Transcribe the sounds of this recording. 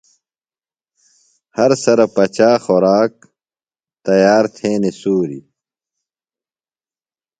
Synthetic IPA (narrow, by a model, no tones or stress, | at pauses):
hɐɾsɐɾɐpɐt͡ɕaːxoɾaːk̚ | t̪ɐjaːɾt̪ʰẽːnesuːɾḭ